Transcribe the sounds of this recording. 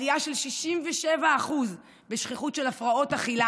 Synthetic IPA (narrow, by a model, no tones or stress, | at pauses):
ijaʃe̞lʃiʃimveʃevaːχuz | beʃχiχutʃelafʁao̞taχila